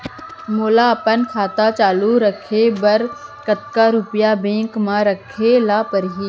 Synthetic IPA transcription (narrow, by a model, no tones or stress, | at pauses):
moːlaɐpənkʰaːt̪at͡ʃaːluɾəkʰebəɾkət̪̚kaɾupjabẽːŋkmãɾəkʰelaːpəɾɦiː